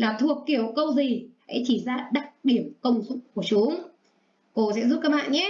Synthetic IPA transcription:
laː˨˩t̪ʰu˨˩əkːi˧˩əwkə˧wzi˨˩ha̰˧˥jt͡ɕi˧˩zaː˧ɗa˦˩k̚ɗi˧˩əmkə˧wŋ͡mzʊ˧˥k͡p̚ku˧˩ət͡ɕʊ˨˦ŋ͡m | ko˧sɛ̰˧˥zu˦˥kaː˦˥ɓa̰ː˧˨nɲɛ˨˦

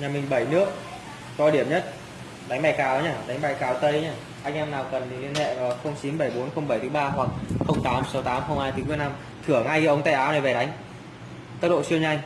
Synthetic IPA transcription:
ɲaː˨˩mï˨˩ŋ̟ɓə˧˩jnɨ˦˥ək̚ | zɔ˧ɗi˧˩əmɲə˦˥t̚ | ɗa˨˦ŋ̟ɓaː˧˩jkaː˨˦wɲaː˧˩ɗa˨˦jŋ̟ɓa˧˩jkaː˨˦wt̪ə˧jɲaː˧˩ | ʔa˧jŋ̟ʔɛ˧mnaː˨˩wkə˨˩ni˨˩li˧ənhḛ˧˨lɔː˨˩xə˧wŋ͡mt͡ɕi˨˦nɓə˧˩jɓo˨˦nxə˧wŋ͡mɓə˧˩jt̪ʰɨ˨˦ɓaː˧hwa˨˩k̚xə˧wŋ͡mt̪aː˨˦msa˨˦wt̪aː˨˦mxə˧wŋ͡mhaː˧jt̪ʰɨ˨˦m˧˩əna˧m | t̪ʰɨ˧˩əŋa˧jkːʔə˨˦wŋ͡mt̪a̰ː˧˩jʔaː˨˦wna˨˩jve˨˩ɗa˨˦jŋ̟ | t̪ə˦˥t̚ɗo̰˧˨si˧əwɲa˧jŋ̟

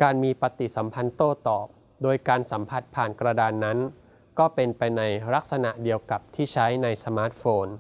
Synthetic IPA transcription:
kaː˧nmiː˧pa˧t̪i˨˩sa˩˦mpʰa˧nt̪oː˥˩t̪ɔː˨˩p̚ | doː˧jkaː˧nsa˩˦mpʰa˨˩t̪̚pʰaː˨˩nkɾa˧daː˧nːa˦˥n | kɔː˥˩pe˧npa˧jna˧jɾa˦˥k̚sa˧na˨˩ʔdi˧əwka˨˩p̚t̪ʰiː˥˩t͡ɕʰa˦˥jna˧jsa˧maː˦˥t̪̚foː˧n

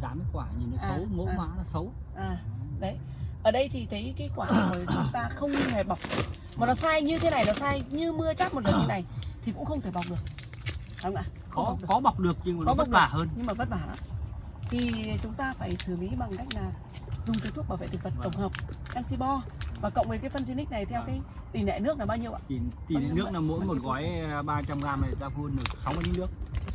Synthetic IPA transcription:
zaː˨˩mə˨˦jkwaː˧˩ɲɨ˨n˨˦aːsə˨˦wmo̰ː˧˦˨waː˨˦la˧sə˨˦w | ʔaː˨˩ɗə˨˦j | ʔəː˧˩ɗə˧jt̪ʰi˨˩t̪ʰə˨˦jka˨˦˥kwaː˧˩˧t̪ʰo˨˩t͡ɕʊ˨˦ŋ͡mt̪aː˧xə˧wŋ͡mt̪ʰe˧˩ɓa˨˩wk͡p̚ɗ̚ | maː˨˩nɔ˨˦saː˧jɲɨ˧t̪ʰe˨˦na˨˩jnɔ˨˦saː˧jɲɨ˧mɨ˧ət͡ɕaː˦˥t̚mo˨˩t̚lə˨˩t̪ʰna˨˩jt̪ʰi˨˩kʊ̰˧˥ŋ͡mxə˧wŋ͡mt̪ʰe˧˩ɓwk͡p̚ɗɨ˨˩ək̚ | ɗwŋ͡mʔaː˨˩ | kɔ˦a˨˩ɗɨ˨˩˨ɔ˨˦ɓa˨˩wk͡p̚ɗɨ˨˩ək̚ɲɨ˧˨kɔ˨˦və˦k͡p̚ɓaː˧˩həː˧nɲɨ˧ŋmaː˨˩və˦˥t̚ɓaː˧˩nɔ̰ː˨˦ | t̪ʰi˨˩t͡ɕʊ˨˦ŋ͡mt̪aː˧faː˧˩jsɨː˧˩li˨˦ɓa˨˩ŋka˦˥jk̟̚laː˨˩ | zʊ˨˩ŋ͡mt̪t̪̚ʰɓaː˧˩ḛ˧˨t̪i˨˩və˨˩t̚t̪ə˧˩ŋ͡mɦəː˨˩wp̚kaː˧nsi˧ɓɔ˧vaː˨˩kə̰˧˨wŋ͡mvə˨˦kaː˨˦jfə˧nzi˧nï˦˥k̟̚na˨˩jt̪ʰɛ˧wkaː˨˦j | t̪i˧˩nɛ̰˧˨nɨ˦˥k̚naː˨˩ɓaː˧wɲi˧əwʔa̰ː˧˨i˧˩t̪ḭ˨˩˨nɨ˦˥ə˨˧˨knaː˨˩mo̰˧˥jmo˨˩t̚ɣɔ˨˦jɓaː˧t͡ɕa˧mɣaː˧ma˨˩zaː˧fu˧ənɨ˨˩ək̚sa˨˦wm˧li˧˦nɨ˦˥ək̚

